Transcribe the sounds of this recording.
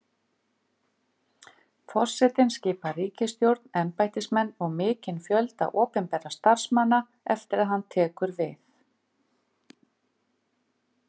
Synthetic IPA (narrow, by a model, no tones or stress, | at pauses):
fɔr̥sɛt̪ɪnsciːpariːcɪst̪jowɾt̪nɛmpajt̪ɪsmɛnːɔɣmɪːcɪnfjœlt̪a̰ðʔɔːpɪmpɛːɾast̪ar̥smanːa | ɛft̪ɪɾaðɦanːt̪ʰɛːkʏɾvɪθ